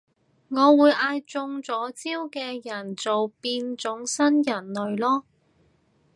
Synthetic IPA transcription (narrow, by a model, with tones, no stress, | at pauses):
ŋɔː˨˧wuː˨˧jʔaː˧jt͡sʊ˧ŋt͡sɔː˨˥t͡siː˥wkɛː˧jɐ˨˩nt͡so˨wpiː˧nt͡sʊ˨˥ŋsɐ˥njɐ˨˩nlɵ˨ɥlɔː˥